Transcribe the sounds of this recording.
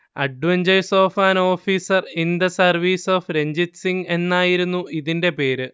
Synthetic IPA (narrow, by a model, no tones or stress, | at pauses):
ɐ̰ɖʋɐɲd͡ʑɐjso̞ːfaːno̞ːfiːsɐrind̪ɐsɐrʋiːso̞ːfɾe̞ɲd͡ʑitsiŋe̞nːaːjiɾunːuʔiðinde̞pe̞ːɾɨ